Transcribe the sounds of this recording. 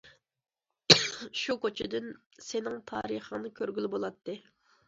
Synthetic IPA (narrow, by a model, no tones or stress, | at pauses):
ʃukʰot͡ʃʰɪd̪yn | senɪŋt̪ʰɑ̰ːɾəχəŋnɨkʲʰøɾɡʲylbolˠɑt̪ʰːɨ